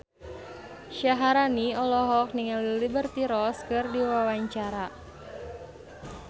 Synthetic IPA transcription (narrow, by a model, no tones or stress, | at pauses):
ʃaɦaɾaniɔlɔɦɔk̚niŋalilibərt̪iɾɔskɨrdiwawaɲt͡ʃaɾa